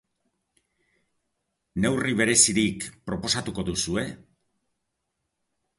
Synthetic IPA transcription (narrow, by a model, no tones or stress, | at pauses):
ne̞wriβ̞e̞ɾe̞siɾikpɾo̞po̞sat̪uko̞ðusue̞